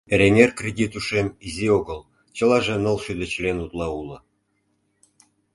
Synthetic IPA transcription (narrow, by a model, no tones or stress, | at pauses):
eɾʲenʲerkrʲedʲit̪uʃemizʲioɡə̆lˠ | t͡ɕə̆lɑʒĕnɤ̆lˠʃyd̪ə̆t͡ɕlʲenut̪lˠɑulɤ̆